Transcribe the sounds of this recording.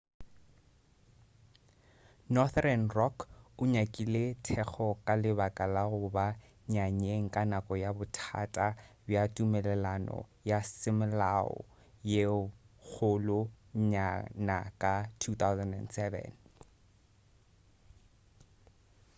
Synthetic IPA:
nɔθrɛnrɔkʰʊɲakʼiletʰɛk͡xʰɔkʼalɪbakʼalaɣʊba | ɲaɲeŋ̩kʼanakʼɔjabʊtʰa̰tʼabjatʼumɛlɛlanɔ̰jasɪmlaɔ̰ | je | k͡xʰʊlʊ | ɲanakʼatʰut̪awzɛndɛ̰ndsɛvɛ̰n

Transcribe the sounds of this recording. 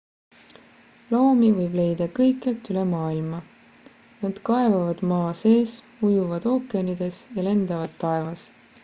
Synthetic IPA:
lo̞ːmivɤjb̥le̞jd̪̥ɑkɤjkːˑelt̪ylemɑːilmɑ | nɑd̪kɑe̞vɑvɑd̪̥mɑːse̞ːs | ujuvɑd̪̥o̞ːkːˑeɑnid̪̥e̞sjɑle̞nd̪̥ɑvɑd̪ːɑe̞vɑs

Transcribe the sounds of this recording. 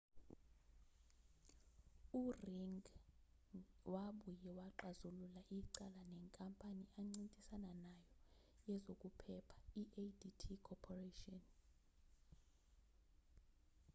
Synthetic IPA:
uriŋɡ | waɓujɛwaǃazululaʔiǀalanɛŋkʼampʼaniʔaŋ͡ǀintʼisananajɔ | jɛzokʼupʰɛpʰḁiʔeditʰikʰɔpʰɔretʼiɔn

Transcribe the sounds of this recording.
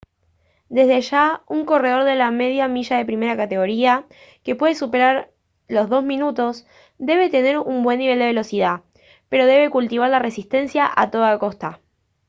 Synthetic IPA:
d̪e̞zðeaʃauŋko̞re̞ð̞o̞ɾðe̞lame̞ð̞jamiʃaðe̞pɾime̞ɾakat̪e̞ɣo̞ɾia | ke̞pwe̞ðe̞supe̞ɾaɾ | lo̞zðo̞zmĩnut̪o̞s | d̪e̞βe̞t̪e̞ne̞ɾumbwe̞nːiβ̞eld̪e̞βelo̞siða | pe̞ɾo̞ð̞e̞βe̞kult̪iβ̞aɾlare̞sist̪e̞nsjaʔat̪o̞ðakost̪a

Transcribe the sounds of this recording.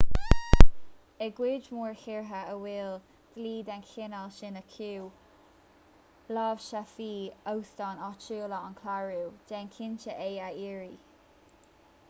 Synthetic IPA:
əɡwɪd͡ʒmuːɹhɪɹɦəəwɪl | d̪̥liːd̪ɛnkʰɪnalʃɪnəkʰuː | lɑvʃafiːowstɔnɔt͡ʃuːləɔnkʰlaɹuwd̥ɛnkʰɪnt͡ʃəʔeːaiːɹi

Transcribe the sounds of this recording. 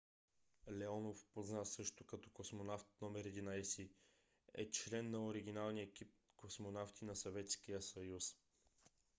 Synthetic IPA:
lɛɔnofpoznasɤʃt̪okɐt̪ɔkosmonaft̪̚nɔmɛɾɛd̪inajsi | ɛ̰t͡ʃlɛnːɐoɾiɡ̟inalˠnijɛkip̚kosmonaft̪inɐsɐvɛt̪skijəsɐjus

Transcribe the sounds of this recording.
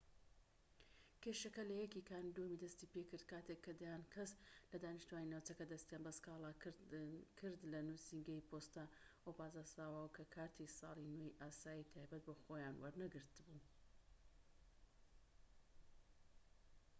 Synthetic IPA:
kʲeʃɐkɐlɐjɛkikʰaːnd̪omid̪ɐst̪ipekɨɾd̪̥kʰaːt̪ekʰːɐd̪ɐjaːnkʰɐslɐd̪aːnɪʃt̪uwaːninawt͡sɐkɐd̪ɐst̪jaːnbɐskaːlˠa | kʰɨɾd̪lɐnusiŋɡɐjpʰost̪aːʔopaːzasaːwawɐkʰɐkʰaːɾt̪ʰisɑ̰ːlˠinejʔaːsaːjit̪ʰaːjbɐt̪̚bɐxojaːnwɐ̰ɾnɐɡɨɾt̪ɨbu

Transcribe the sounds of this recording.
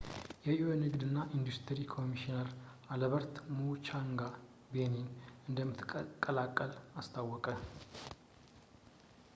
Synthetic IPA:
jɛionɨɡd̪ɨnːaʔind̪ust̪ʰəɾikʰo̞miʃinaɾ | aləβəɾt̪mut͡ʃaŋɡa | beninɨnd̪əmːɨt̪ʰkʼːəlakʼːəlast̪ʰawːɔkʼə

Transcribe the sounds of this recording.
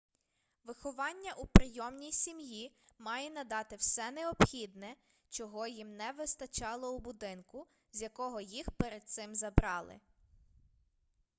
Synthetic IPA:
ʋɪxɔʋɑnʲːɐʔupɾɪjɔmnʲijsʲimjimɑjɛnɐd̪ɑt̪ɪwsɛnɛɔpxʲid̪nɛ | t͡ʃɔɦɔjimnɛʋɪst̪ɐt͡ʃɑlˠɔubʊd̪ɪnkʊ | zʲjɐkɔɦɔjixpeɾed̪̚t̪sɪmzɐbɾɑlˠɪ̰

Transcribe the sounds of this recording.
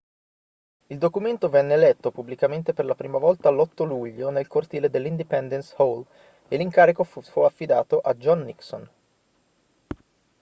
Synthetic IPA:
ild̪okument̪ovɛnːeːlɛt̪ːopublikament̪eperlapɾiːmavɔlt̪alːɔt̪ːoluʎːonelkort̪iːled̪elːind̪ipɛnd̪enshol | eliŋkaːɾikofuafːid̪aːt̪oʔad͡ʒɔnːikso̰n

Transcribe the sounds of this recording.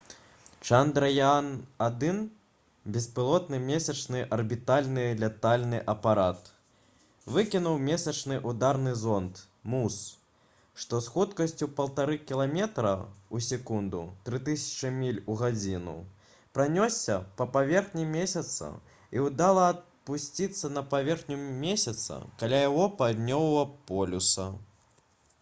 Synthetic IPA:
t͡ʂand̪ɾɐjanad̪ɨn | bʲɛspɨlˠɔt̪nɨmʲesʲɐt͡ʂnɨʔɐrbʲit̪alʲnɨlʲɛt̪alʲnɨʔɐpaɾat̪ | vɨkʲinuwmʲesʲɐt͡ʂnɨʔud̪arnɨzɔnt̪ | mus | ʂt̪ɔsxut̪kɐsʲt͡sʲupɐlˠt̪aɾɨkʲilˠamʲɛt̪ɾɐusʲɛkund̪ṵt̪ɾɨt̪ɨsʲɐ̥t͡ʂɨmʲilʲuɣad͡zʲinṵ | pɾanʲɔsʲːɐpɐpavʲɛrxnʲimʲesʲɐt̪sɐ̰ | iwd̪alˠɐːt̪̚pusʲt͡sʲit̪sːɐnɐpavʲɛrxnʲumʲesʲɐt̪sɐ̰kalʲajaɣɔpad̪nʲɔwvɐpɔlʲusɐ

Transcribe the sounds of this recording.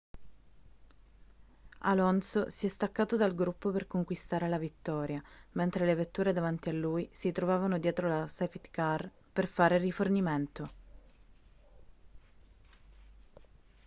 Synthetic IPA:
a̰lɔnsosiɛst̪akːaːt̪od̪alɡɾupːoperkoŋkwist̪aːɾelavit̪ːɔːɾjament̪ɾelevet̪ːuːɾed̪avant̪ialːuːjsit̪ɾovaːvanod̪jɛːt̪ɾolasɛft̪kar | perfaːɾeriforniment̪o

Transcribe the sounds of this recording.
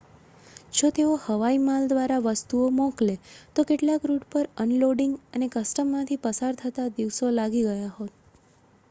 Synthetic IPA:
d͡ʒot̪eohəʋaimald̪ʋaɾaʋəst̪uomɔ̃klet̪okeʈlakɾuʈpəɾənloɖɪŋɡənekəsʈəmːãt̪ʰipəsaɾt̪ʰət̪ad̪iʋsolaɡiɡəjaɦot̪

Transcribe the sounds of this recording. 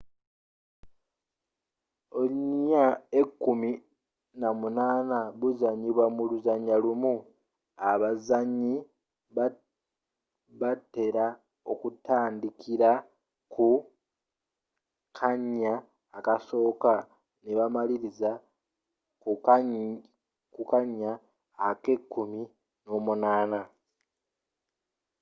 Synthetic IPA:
oliɲaekːumi | namunaːnaβuzaɲiβwamuluzaɲːalumu | aβazaɲːi | βatːe̞ɾa | o̞̰kutaːndikʰiɾa | kʰu | kʰaɲːaː | kaso̞ːka | neβamaliɾiza | ku | kukaɲːaː | ke̞kːumi | no̞ːmunaːna

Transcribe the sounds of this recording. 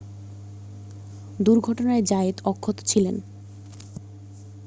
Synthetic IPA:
d̪uɾɡʱɔʈonaed͡ʑaet̪ɔkʰːot̪o̥t͡ɕʰilen

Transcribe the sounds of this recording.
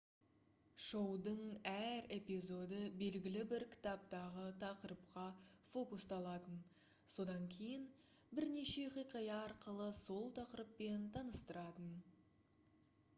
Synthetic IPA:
ʃo̞wd̪əɴæɾe̞pijzo̞d̪əbe̞lɡʲɪlɪbɪɾkʲʰɪ̥t̪ɑp̚t̪ɑʁət̪ʰɑqəɾəp̚qɑfo̞kust̪ɑlˠɑt̪ən | so̞d̪ɑŋkʲʰe̞jɪn | bɪɾne̞ʃe̞qʰijqɑjɑɑɾqəlˠəso̞lˠt̪ʰɑqəɾəpːe̞nt̪ʰɑnəst̪əɾɑt̪ən

